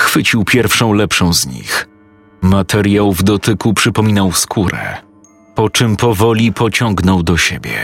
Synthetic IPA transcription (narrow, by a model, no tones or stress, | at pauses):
xfɘt͡ɕiwpʲjɛɾfʂɔ̃w̃lɛpʂɔ̃w̃zɲḭx | mat̪ʰɛɾʲjawvd̪ɔt̪ɘkupʂɘpɔmʲinawskʰuɾɛ̰ | pɔt͡ʂɘmpɔvɔlʲipɔt͡ɕɔŋɡnɔwd̪ɔɕebʲjɛ̰